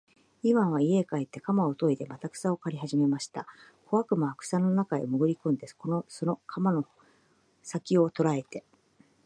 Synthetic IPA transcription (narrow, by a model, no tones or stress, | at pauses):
iβãɰ̃βaie̞kaet̪ːe̞kamao̞t̪o̞id̪e̞mat̪akɯ̟̥sao̞kaɾʲihaʑime̞maɕi̥t̪akʰo̞βakɯ̟maakɯ̥sano̞nakaḛmɯ̟ɡɯ̟ɾʲikõnd̪esko̞nosono̞kʰamano̞ | sakʲio̞t̪o̞ɾae̞t̪e̞